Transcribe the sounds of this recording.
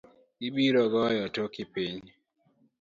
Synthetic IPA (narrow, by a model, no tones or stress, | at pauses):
iɓiɾɔɡɔjɔtokipiɲ